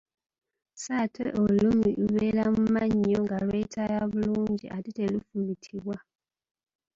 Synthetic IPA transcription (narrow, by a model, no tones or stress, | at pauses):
satʰeʔolumiʔuβelamumaɲːoŋɡalweitʰajaβuluːɲɟḭʔatitelufuβitʰiβwa